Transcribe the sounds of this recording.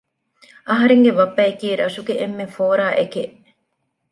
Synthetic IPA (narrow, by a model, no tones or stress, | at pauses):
ʔɐɦɐɾeŋɡeʋɐbːæekiːɾɐʃuɡeʔemːefoːɾaːʔekeʔ